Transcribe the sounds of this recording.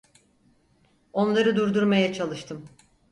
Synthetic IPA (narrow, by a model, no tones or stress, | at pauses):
o̞nlˠaɾɯd̪uɾd̪uɾmajat͡ʃʰalˠɯʃt̪ʰɯm